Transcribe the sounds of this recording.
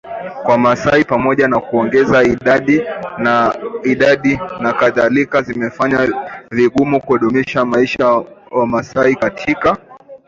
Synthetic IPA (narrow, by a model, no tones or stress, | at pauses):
kwamasaipamɔʄanakuɔŋɡɛzaiɗaɗiaiɗaɗinakaðalikazimɛfaɲaviɠumukuɔɗɔmɛʃamaiʃawamasaikatʰika